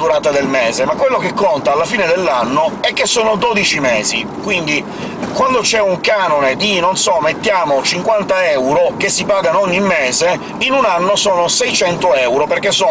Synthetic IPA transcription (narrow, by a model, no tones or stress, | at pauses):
d̪uɾaːt̪ad̪elmeːzemakwelːokekːont̪aːlːafiːned̪elːanːoɛk̟ːesːoːnod̪ɔd̪it͡ʃimɛːzi | kwind̪i | kwand̪ot͡ʃɛuŋkaːnoned̪inonsɔmet̪ːjaːmot͡ʃiŋkwant̪aɛwɾok̟esːipaːɡanɔɲːimːeːze | inunanːosoːnosɛjt͡ʃɛnt̪oɛwɾoperk̟ːesːo